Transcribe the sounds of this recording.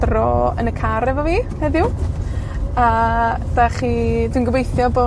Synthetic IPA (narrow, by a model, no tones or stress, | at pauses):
rɔːə̰nəkʰaɾɛvɔviːhɛðɪʊw | ad̥aχiːdwinɡəvejθjɔboː